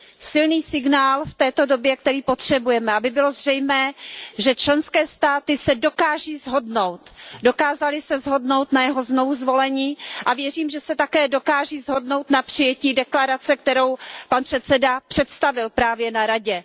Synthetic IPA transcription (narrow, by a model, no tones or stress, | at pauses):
sɪlniːsɪɡnaːlft̪ɛːt̪o̞do̞bjɛk̚t̪ɛɾiːpo̞t̪r̝̥ɛbujɛmɛabɪbɪlo̞zr̝ɛjmɛːʒɛt͡ʃlɛnskɛːst̪aːt̪ɪsɛdo̞kaːʒiːzɦo̞dno̞wt̪do̞kaːzalɪsɛzɦo̞dno̞wt̪najɛɦo̞zno̞vuzvo̞lɛɲiːʔavjɛriːmʒɛsɛt̪akɛːdo̞kaːʒiːzɦo̞dno̞wt̪napr̝̥ɪjɛciːdɛklaɾat͡sɛk̚t̪ɛɾowpanpr̥ɛt̪sɛdapr̥ɛt̪st̪avɪlpɾaːvjɛnaɾaɟɛ